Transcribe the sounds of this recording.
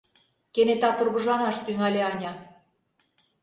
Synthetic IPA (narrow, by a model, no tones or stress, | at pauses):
kenet̪ɑt̪urɣɤ̆ʒɑnɑʃt̪yŋælʲeɑnʲɑ